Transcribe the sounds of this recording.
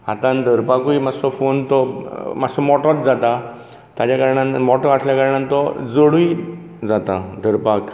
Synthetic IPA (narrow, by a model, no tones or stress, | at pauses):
hat̪ãnd̪ʱəɾpakuimasɔfont̪ɔmaɡsɔmɔʈɔt̪̚d͡zat̪a | t̪at͡ɕakaɾɳãnmɔʈɔəsljakaɾɳãnt̪ɔd͡zoɽui | d͡zat̪ad̪ʱəɾpak